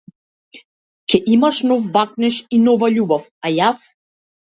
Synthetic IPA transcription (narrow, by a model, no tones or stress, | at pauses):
cʲɛʔimaʃnɔfːak̚nɛʃinɔvaʎubɔfajas